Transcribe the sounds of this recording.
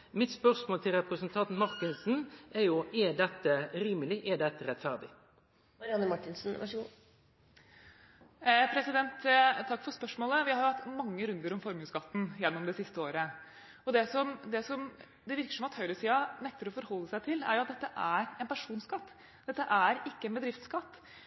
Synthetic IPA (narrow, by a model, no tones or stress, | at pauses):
mɪt̪spœʁʂmoːlt̪ʰɪlɾɛpɾəsənt̪ʰɑnt̪nmɑɾkənsn̩æjʊɛd̪ɛt̪ːəɾiːməlɪʔɛd̪ɛt̪ːəɾɛt̪fæʁd̪ɪ | mɑɾɪɑnːəmɑʈːɪnsn̩ʋɑ̰ʂəɡṵː | pʰɾɛsɪd̪ɛnt̪t̪ʰːɑkːfɔɾspœʂmoːləʋɪhɑɾjʊhɑt̪ːmɑŋːəɾʉnd̪əɾɔmfɔɾməskɑt̪ːn̩jɛnːɔmd̪ɛsɪst̪əoːɾə | ɔd̪ɛsɔmd̪ɛsɔm | d̪ɛʋɪɾkə̥ʂɔmɑt̪hœʏɾɾəsiːɑnɛk̚t̪əɾɔfɔɾhɔlːəsæɪt̪ʰɪlæ̰ɾjʊɑt̪̚d̪ɛt̪ːəʔæɾɛnpæʂuːnskɑt̪ː | d̪̥ɛt̪ːəʔæɾɪkːəɛnbəd̪ɾɪft̪skɑt̪ː